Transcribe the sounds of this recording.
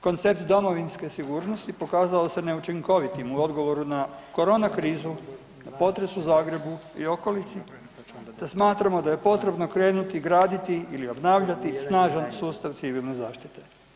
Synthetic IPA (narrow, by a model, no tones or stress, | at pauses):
ko̞nt̪se̞p̚t̪d̪o̞mo̞ʋinske̞siɡuːɾno̞st̪ipo̞kaːzaose̞ne̞ut͡ʃiŋko̞ʋit̪imuo̞d̪ɡo̞ʋo̞ɾunako̞ɾo̞ːnakɾiːzu | napo̞t̪ɾe̞suzaːɡɾe̞buḭo̞ko̞lit̪si | d̪̥asmaːt̪ɾamo̞d̪aje̞po̞t̪ɾe̞bno̞kɾe̞ːnut̪iɡɾaːd̪it̪iilio̞bnaːʋʎat̪isnaːʒansuːst̪aʋt̪siʋilnezaːʃt̪it̪e̞